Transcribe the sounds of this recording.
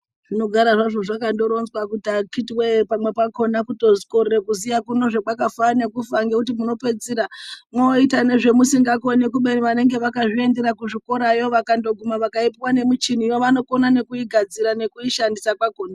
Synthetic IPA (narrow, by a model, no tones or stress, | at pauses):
ʐ̥ino̞ɡʱaɾaʐaʐo̞ʐakando̞ɾo̞nzwakutakitiwepamwe̞pako̞nakuto̞z̥ko̞rekuzijakuno̞ʐekwakafane̞kufaŋɡekutimuno̞pe̞d͡ziɾamoitane̞ʐe̞musiŋɡakonekuɓe̞niʋane̞ŋɡe̞ʋakaʐie̞nde̞ɾakuʐiko̞ɾajo̞ʋakando̞ɡʱumaʋakaipiwane̞mut͡ʃinijoʋano̞ko̞nane̞kuiɡʱad͡ziɾane̞kuiʃandisakwakoːna